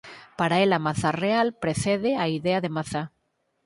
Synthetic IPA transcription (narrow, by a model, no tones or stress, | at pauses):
paɾaelamaθarealpɾeθeðeaiðeaðemaθa